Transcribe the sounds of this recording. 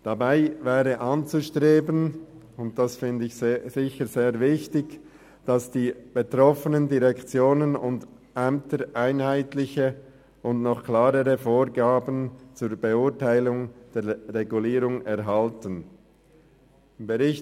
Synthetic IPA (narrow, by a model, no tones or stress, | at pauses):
d̥abaɪvɛːʁəʔɑnt͡suʃtʁeːbən | ʊnt̚d̥asfɪndəɪçzɪçəz̥eːɾvɪçtɪç | d̥asd̥iːb̥etʁ̥ɔfənəndiʁɛkt͡sjoːnənʊ̰nd | ʔɛmtəɾʔaɪnhaɪtlɪçə | ʔʊndnɔχklaːɾəʁəfoːɾɡaːbən̩t͡suːɾbeʊɐtaɪlʊŋd̥eːʁeɡuliːɾʊŋɛʁɦaltən | ɪmbəʁɪç